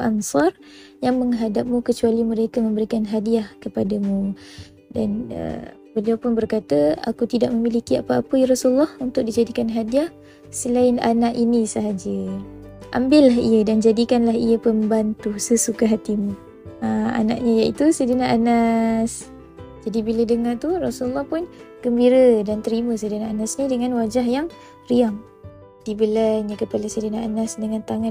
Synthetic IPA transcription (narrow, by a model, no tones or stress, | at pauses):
ʔa̰nsɑr | jaŋməŋɦadap̚mũkət͡ʃualiməɾekamə̃mbəɾikanɦadiahkəpadamu | danə̰ | bəliapʊnbərkat̪əa̰kut̪idaʔməmilikiapaapəjrasulːɔhunt̪ʊk̚did͡ʒadikanɦadiah | səlaɪna̰naʔinisəɦad͡ʒə | ʔa̰mbɪlːaɦiədand͡ʒadikanlaɦijəpəmbant̪usəsukaɦat̪imu | əa̰na̰ʔɲajaʔit̪usədinaʔanas | d͡ʒadibilədəŋat̪urɔsulːɔhpʊnɡ̥əmbiɾədant̪əɾimə̃sədinaʔanasnidəŋãnwad͡ʒaɦjaŋ | riaŋ | d̥ibəlaɲakəpalasədinaʔanasdəŋãnt̪aŋa